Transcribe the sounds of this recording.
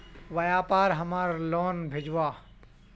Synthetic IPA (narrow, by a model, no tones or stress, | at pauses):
ʋɐjaːpaːɾɦɐmaːɾloːnbʱed͡ʒʋaː